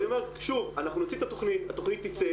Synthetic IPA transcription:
omeʁʃuvanaχnunot͡sit̪at̪o̞χnit̪hat̪oχnit̪ːit͡se

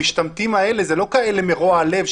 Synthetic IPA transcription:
iʃt̪amt̪imae̞lezelo̞kaelemeʁoaale̞v

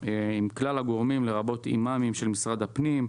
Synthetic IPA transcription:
imklalaɡo̞ʁmimle̞ʁabo̞t̪ḭmamimʃe̞lmisʁad̪hapnim

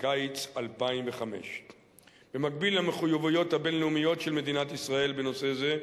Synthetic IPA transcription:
kajt͡salpaimveχame̞̰ʃ | b̥emak̚bilhameχujavujo̞t̪habenleumijo̞tʃelme̞d̪inat̪isʁae̞lbeno̞se̞ze̞

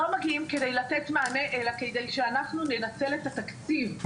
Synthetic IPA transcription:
o̞maɡiimke̞dejlat̪et̪maːne̞ʔelaked̪ejʃeanaχnune̞nat͡se̞le̞t̪atakt͡st͡siv

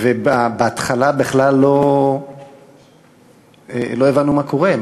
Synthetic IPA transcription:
vebabeat̪χalabeχlalːo̞ | elo̞evanumako̞ʁe

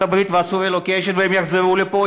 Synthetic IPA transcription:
abʁit̪veasuelokeʃenveemjaχzeʁulepo

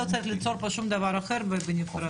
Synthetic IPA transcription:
ot͡saɾiχlit͡soɾpoʃumd̪avaɾaxeɾbebenʲikʰuɾa

